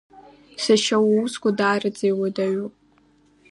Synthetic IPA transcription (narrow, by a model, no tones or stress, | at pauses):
saʃawausɡʷʼadaːrɨd͡zʼejwadaɥopʼ